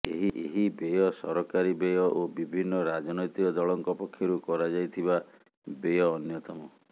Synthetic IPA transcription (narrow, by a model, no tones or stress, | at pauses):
eɦiʔḛɦibejɔsɔɾɔkaɾibejɔʔobibʱinːɔɾad͡ʒɔnɔjt̪ikɔd̪ɔɭɔŋkɔpɔkʰːjɔɾukɔɾad͡ʒajt̪ʰiba | bejɔːnjɔt̪ɔmɔ